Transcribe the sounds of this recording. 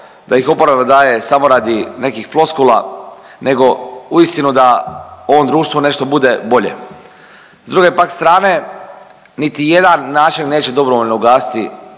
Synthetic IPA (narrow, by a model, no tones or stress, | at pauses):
d̪aixo̞poɾaβad̪aːje̞samo̞ɾaːd̪ine̞kixflˠo̞skulˠa̰ | nʔeɡo̞uist̪inud̪ao̞ʋo̞md̪ɾuːʃt̪ʋune̞ʃt̪o̞bud̪e̞bo̞ʎe̞̰ | zd̪ɾuɡe̞pakst̪ɾaːne̞ | nit̪ije̞d̪anːaːt͡ʃinːe̞ːt͡ɕe̞d̪o̞bɾoʋoʎʲnouɡaːsi̥t̪ḭ